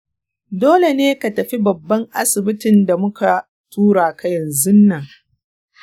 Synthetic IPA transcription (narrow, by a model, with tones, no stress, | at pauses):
doː˦le˨neː˦ka˨tɐ˨ɸi˦bɐ˨bːɐ˦ŋʔa̰˦sɪ˨bɪ˦tɪ˨nda˨mʊ˦ka˨ | tuː˦ɽaː˨ka˦jɐ˨nzʊ˦nːɐ˨ŋ